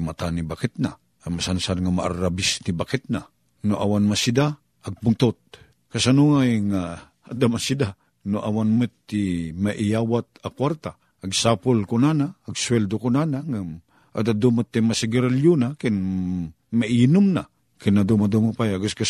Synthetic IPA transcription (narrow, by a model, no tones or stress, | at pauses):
mat̪anibakɪt̪̚na | amasansanŋamaʔa̰ɾabɪsnibakɪt̪̚na | noʔawanmasid̪a | aɡ̚pʊŋt̪ot̪̚ | kasanuŋajŋa | ad̪amasida | noʔawanmʊt̪ːimaʔɪjawat̪̚akwaɾt̪aː | ɡsapʊlkonanaːɡswɛld̪okonanaŋa | ʔa̰d̪ad̪umat̪ːimasɪɡɪɾaljunakɪn | maiinʊmna | kɪnːad̪umad̪umapajaɡʊska